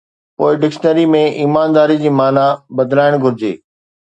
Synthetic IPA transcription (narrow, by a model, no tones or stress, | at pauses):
poːɪɖɪkʃnəɾimẽiːmaːnd̪aːɾid͡ʑiːmaːnabɐd̪ɪlaːɪɽ̃ɡʱʊɾɪd͡ʑḛː